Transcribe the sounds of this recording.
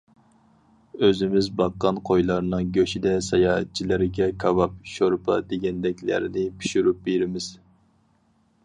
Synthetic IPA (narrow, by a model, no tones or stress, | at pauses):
øzɪmɪzbɑqːɑnqʰojlˠɑɾnɨŋɡʲøʃid̪ɛsɑjɑːt̪̚t͡ʃʰːilɪɾɪɡʲɛkʰɑvɑp̚ʃoɾpʰɑ̰d̪eɡʲɛnd̪ɛkʲlæ̰ɾɪnɪpʰi̥ʃuɾup̚beɾɪmɪz̥